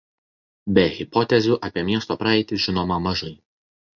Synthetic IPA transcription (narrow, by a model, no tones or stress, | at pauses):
bʲɛɣʲɪpɔt̪ʲɛzʲuːˑʔɐpʲiɛmʲiɛst̪oːpɾɐɛɪt̪ʲɪʒʲɪnoːmɐmɐʒɐɪ